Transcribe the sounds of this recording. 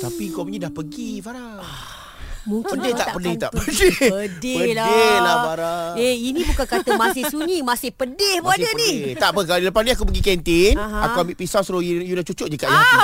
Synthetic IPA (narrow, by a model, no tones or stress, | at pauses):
t̪apikɔmɲidahpəɡifaɾa | a | mũŋkədeht̪aʔpədɪht̪aʔpədɪədeəlaelafaɾaeinĩbukankat̪əmasɪhsuɲimasɪhpədɪhbaəniht̪aʔpək̬aladiləpasnĩakupəɡikɛnt̪inakuamiʔpisasuɾojujunat͡ʃut͡ʃʊʔ̚d͡ʒəkaʔja